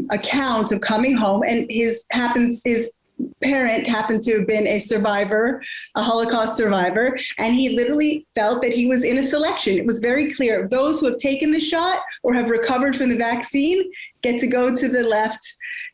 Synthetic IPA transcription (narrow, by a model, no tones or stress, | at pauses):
əkʰãʊ̃ntsʌv̥kʰʌmɪ̃ŋɦõʊ̃mɨ̃nɪz̥hæpɨ̃n̩z̥hɪz̥ | pʰɛɹɨ̃nʔɦæpɨ̃n̩dtʰɨvbɪ̃nɨsə˞vaɪvə˞ʔəɦɑlˠəkʰɑstsə˞vaɪvə˞ʔɨ̃nilɪɾə˞l̩ˠifɛlˠt̪̚ðɨt̚hiwʌzɪ̃ñɨsəlɛkʃɨ̃nɨt̚wʌzvɛɹikʰl̥ɪɹʌðoʊz̥huɨv̥tʰeɪkɨ̃nðɨʃɑɾʔə˞ɨvɹɨkʰʌvə˞d̥fɹʌ̃mðɨvæksĩnɡ̥ɛtʰɨɡoʊɾɨðɨlɛft̚